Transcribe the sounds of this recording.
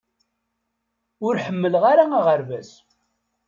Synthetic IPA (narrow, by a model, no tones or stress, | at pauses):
ʊɾħəmːələʁaɾaaʁəɾvæs